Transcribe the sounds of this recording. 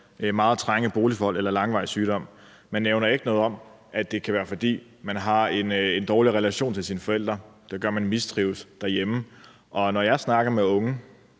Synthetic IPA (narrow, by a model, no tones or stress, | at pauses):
mɑ̈ːð̩ˠt͡sʰʁaŋəb̥o̝ːlifɒɒ̽l̰elɐlɑ̈ŋʋɑ̈ɪsyːɾ̥ɒ̽m̰ | mænːeʊnɐe̝ɡ̥ənɔ̽ːðˠɒ̽m | ʔæd̥e̝kʰæʋæːɐfɒ̽d̥ḭː | mænɦɑ̈e̝nend̥ɒːliʁɛlæɕo̝̰ːnt͡sʰe̝lsinəfɒ̽el̰d̥ʁɐd̥eɡ̥ɶɐmænmisd̥ʁiʊsd̥æɐjemə | ʔɒ̽nɒjɑ̈ɪsnɑ̈ɡ̥ɐmeɔ̽ŋə